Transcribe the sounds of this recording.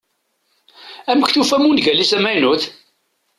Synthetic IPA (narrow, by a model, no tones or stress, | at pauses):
æməçθufæmunʝælisæmæjnuθ